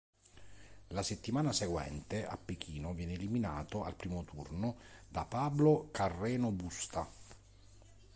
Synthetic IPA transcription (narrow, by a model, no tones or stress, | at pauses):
laset̪ːimaːnaseɡwɛ̰nt̪ea̰pːek̟iːnovjɛːneːlimina̰ːt̪oa̰lpɾiːmot̪urnod̪apaːblokarːɛːnobust̪a